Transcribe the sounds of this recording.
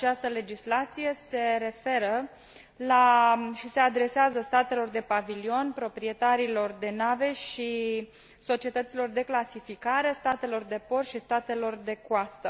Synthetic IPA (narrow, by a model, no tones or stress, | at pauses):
at͡ʃast̪əle̞d͡ʒislat̪sije̞se̞ɾe̞fe̞ɾə | laʃise̞ad̪ɾe̞seazəst̪at̪e̞lo̞rd̪e̞pavilio̞npɾo̞pɾie̞t̪aɾilo̞rd̪e̞nave̞ʃi | so̞t͡ʃie̞t̪ət̪silo̞rd̪e̞klasifikaɾe̞st̪at̪e̞lo̞rd̪e̞po̞rʃist̪at̪e̞lo̞rd̪e̞kwast̪ə